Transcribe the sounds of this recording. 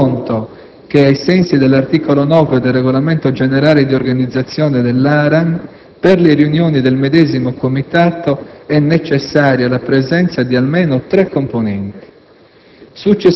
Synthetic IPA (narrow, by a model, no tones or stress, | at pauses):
nt̪o | k̟eajsɛnsid̪elːart̪ikolonɔːved̪elrːeɣolament̪od͡ʒeneɾaːled̪iorɡanid̪zːat̪sːjɔːned̪elːaːɾan | perlerjunjoːnid̪elmed̪ɛːzimokomit̪aːt̪oɛnːet͡ʃesːaːɾjalapɾezɛnt̪sad̪ialmeːnot̪ɾɛkːomponɛnt̪i̥ | sut͡ʃːe